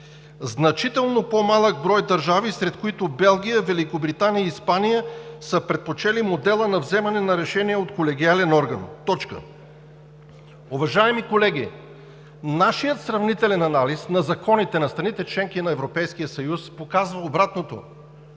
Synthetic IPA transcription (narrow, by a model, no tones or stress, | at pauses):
znɐt͡ʃit̪ɛlˠnopomalˠəɡ̚bɾɔjd̪ɐɾʒavisɾɛt̪koit̪obɛlˠɡʲijəvɛlikobɾit̪anijəiːspanijəsəpɾɛt̪̚pot͡ʃɛlimod̪ɛlˠənɐvzɛmɐnɛnɐɾɛʃɛniɛot̪kolɛɡ̟ialɛnɔɾɡɐnt̪ɔt͡ʃkə̰ | uvɐʒaɛmikolɛɡʲi | naʃijət̪sɾɐvnit̪ɛlɛnɐnalisnɐzɐkɔnit̪ɛnɐst̪ɾɐnit̪ɛt͡ʃlɛŋkinɐɛvɾopɛjskijəsɐjuspokazvɐobɾat̪not̪o̰